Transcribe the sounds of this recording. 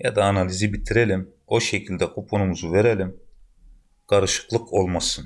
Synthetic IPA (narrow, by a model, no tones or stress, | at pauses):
jad̪aːnalʲizibit̪ʰiɾelʲim | o̞ʃe̞cʰilʲd̪ɛkʰopʰonumuzuve̞ɾelʲim | kʰaɾɯʃɯ̥klˠɯkʰo̞lˠmasɯn